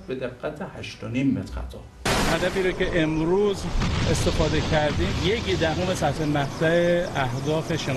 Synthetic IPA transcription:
bed̪eɡːæt̪ʰehæʃt̪oniːmːet̪ɾæ̰t̪ʰɒ̰ː | ʔæd̪æbiːɾoce̞ʔemɾuːze̞st̪e̞fɒːd̪ecʰæɾd̪iːmjekid̪æɦomesæt̪hemæht̪ʰæeæhd̪ɒːfe̞ʃe

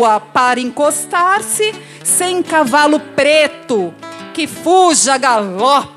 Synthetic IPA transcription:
ɐpaɾɐẽŋkost̪aɾsɪ | sẽj̃kavalʊpɾet̪ʊkɪfuʒɐɡalɔp

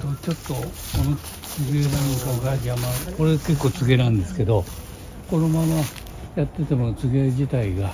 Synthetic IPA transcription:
t̪ot͡ɕo̞t̪ːo̞ | kono | t͡sɨɡenanok̪aɡad͡ʑiamako̞ɾeke̞kːoːt͡sɨɡe̞nãnd̪e̞sɨ̥ke̞d̪o̞ | ko̞nomano | jat̪ːe̞t̪emonot͡sɨɡed͡ʑit̪aiɡa

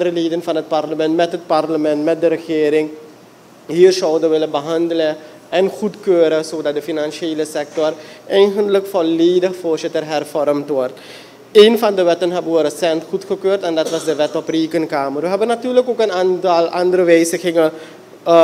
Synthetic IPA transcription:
ndəɾəleːdənfɑnɦət̚parləmɛntmɛtɦət̚parləmɛntmɛt̚dəɾəxeːɾɪŋ | ɦiːrsɔwdəʋɪləbəɦɑndələ | ɛnχutkøːɾəsoːdɑt̚dəfinanʃeːləsɛk̚tɔrʔɛjnxəntləkfolːeːdəxfoːrsɪtərɦɛrfɔɾəmtʋɔrt | eːnfɑndəʋɛtənɦɑboːəɾəsɛntχutχəkøːrtɛndɑtʋɑsdəʋɛtɔpriːkənkaːmərʋəɦɛbənatyːrləkoːkənantɑlˠɑndəɾəʋeːsəxɪŋə

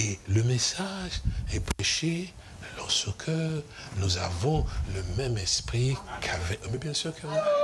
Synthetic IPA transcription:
eləmesaʒɛpχɛʃe | lɔʁsəkʰœʁ | nuzavɔ̃ləmɛmɛspχikʰavɛmɛbjɛ̃syːʁkə

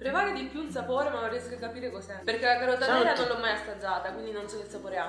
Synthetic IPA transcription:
pɾevaːɾed̪ipjuils̬apoːɾemalorjɛskekːapiːɾekɔsɛpeɾkelakaɾod̪aiːɾanonlɔmːajast̪ad͡ʒːaːt̪akwind̪inonsɔkːelsapoːɾea

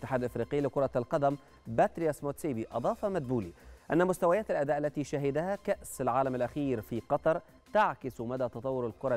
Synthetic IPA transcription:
t̪ːɪ̥ħaːd̪lʔfɾiːqɪjːlɪkʊɾˤɑlqɑd̪æm | bæt̪ɾɪjasmoːt̪siːbiʔɑd̪ˤɑːfɑmad̪̚buːliʔænːæmʊst̪awajaːt̪alʔæd̪æːʔalːæt̪iːʃaɦɪd̪ahækaʔsalʕaːlamalʔæxiːɾfiːqɑt̪ˤɑɾˤ | t̪aʕkɪsmad̪æːt̪ɑt̪ˤɑwːʊɾalkʊɾˤɑ

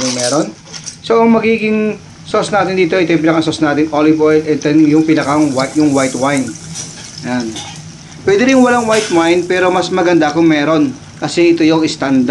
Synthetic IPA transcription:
jʊŋmɛːɾon | soʔɐŋmɐɡiːɡɪŋ | sosnaːt̪ɪnd̪iːt̪oʔɪt̪ojmp̬ɪnɐkasosnaːt̪ɪŋʔolɪbojd̪ʔɛt̪ɛnjʊŋpɪnɐkaŋwajʊŋwajt̪wajn | jan | pwɛd̪ɛɾɪŋwɐlaŋwajt̪̚wajnpɛːɾo̞mɐsmɐɡɐnd̪akʊŋmɛːɾo̞n | kɐsɛʔɪt̪ojoŋɪst̪and̪

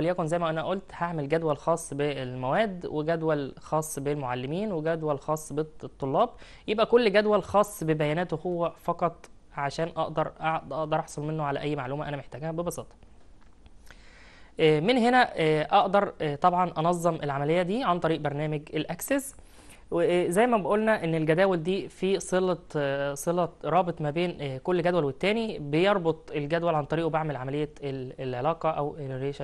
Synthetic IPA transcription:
æljækonzæjːmæʔænæʔʔolt̪haʕmelɡæd̪wælxɑːsˤːbelmæwæːd̪weɡæd̪wælxɑːsˤːbelmoʕalːemiːnweɡæd̪wælxɑːsˤːbet̪ˤːolːɑːb̚ | jebʔækolːɡæd̪wælxɑːsˤːbebæjæːnæːt̪wehowːæfɑqɑt̪ˤ | ʕaʃæːnʔɑʔd̪ɑɾˤʔʔɑʔd̪ɑɾˤʔɑħsˤolmenːoʕalæ̰ʔæjːmaʕluːmæʔænæmeħt̪æːɡæːhbebɑsɑːt̪ˤɑ̥ | ʔmenɦenæʔɑʔd̪ɑɾˤt̪ˤɑbʕɑnʔɑnɑzˤːemʔelʕamælejːæd̪iːʕant̪ˤɑɾiːʔbɑɾˤnæːmeɡelʔæksez | wezæjːmæbeʔolnæʔenːelɡæd̪æːweld̪iːfiːsˤelɑsˤelɑɾˤɑːbet̪ˤmæbeːnkolːɡæd̪wælwet̪ːæːnibejɑɾˤbot̪ˤelɡæd̪wælʕant̪ˤɑɾiːʔbaʕmelʕamælejːæeelʕelɑːqɑʔæweɾeːʃ

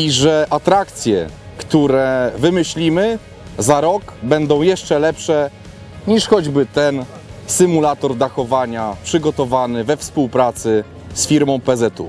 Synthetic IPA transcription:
iʐɛʔat̪ɾakt̪sʲjɛ̰ | kt̪uɾɛvɘmɘɕlʲimɘ | zaɾɔɡbɛnd̪ɔ̃w̃jɛʂt͡ʂɛlɛpʂɛ | ɲiʂxɔd͡ʑbɘt̪ɛn | sɘmulat̪ɔɾd̪axɔvaɲapʂɘɡɔt̪ɔvanɘvɛfspuwpɾat̪sɘ | sfʲiɾmɔ̃w̃pɛzɛt̪ṵ

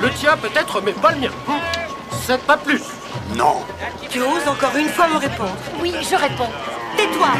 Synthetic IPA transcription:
lət̪jɛ̃pøt̪ɛt̪χəmɛpaləmjɛ̃ | sɛpaplys | nɔ̰̃ | t̪yozɑ̃kɔʁynfwaməʁepɔ̃d̪ʁwiʒəʁepɔ̃t̪et̪wa

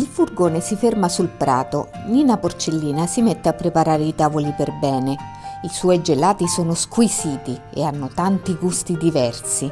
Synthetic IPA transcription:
ilfurɡoːnesifermasulpɾa̰ːt̪o̰ | niːnaport͡ʃelːiːnasimet̪ːeapːɾepaɾaːɾeit̪aːvoliperbɛːneiswɔjd͡ʒelaːt̪isoːnoskwisiːt̪i | ḛanːot̪ant̪iɡust̪id̪ivɛrsi

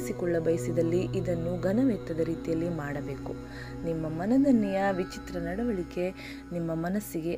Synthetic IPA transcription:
sikɔɭːɐbɐjsid̪ɐlːiʔid̪ɐnːuɡɐnɐʋɛk̚t̪ːɐd̪ɐɾiːt̪ijɐlːimaːɽɐbe̞ːku | nimːɐmɐnɐd̪ɐnːijɐʋit͡ʃit̪ɾɐnɐɽɐʋɐɭike̞ | nimːɐmɐnɐsːiɡe̞

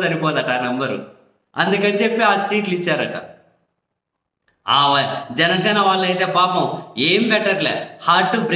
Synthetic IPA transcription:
d̪ɐnipɔːd̪ɐʈanɛmbɐɾṵ | ɐnd̪ukɐnt͡ʃepːeaːsiːʈlit͡ʃːaːɾɐʈa̰ | aːʋɐd͡ʒɛnɐsɛːnɐʋaːɭːɐjt̪e̞ːpaːpɐmeːmibɛʈːɐʈlḛːhaːʈːubɾ

